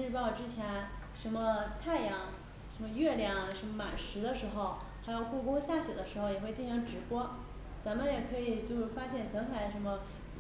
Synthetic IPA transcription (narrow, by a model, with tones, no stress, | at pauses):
ɻ̩˥˧pɑ˥˩ʊʈ͡ʂɻ̩˥t͡ɕʰjɛ˧˥n | ʂə˧˥nmə˧t̪ʰa˥˩ɪjɑ˧˥ŋ | ʂə˧˥nmə˧ɥɛ˥˩ljɑ˧˥ŋʂə˧˥nmə˧ma̰˨˩nʂɻ̩˧˥d̪ə˧ʂɻ̩˧˥xo˥˧ʊ | xa˧˥ɪjo˨˩ʊku˥˩kʊ˥ŋɕja˥˩ɕɥɛ˨˩d̪ə˦ʂɻ̩˧˥xo˥˩ʊjɛ˨˩xwe˥˧ɪt͡ɕi˥˩ɕʰi˧˥ŋʈ͡ʂɻ̩˨˩pwɔ˥ | t͡sa˧˥nmə˨˧jɛ˨˩kʰɤ˧˥i˨˩t͡ɕjo˥˧ʊʂfa˥ɕjɛ˥˩nɕɛ˧˥nxʰa˧˥ɪʂə˧˥nmə˧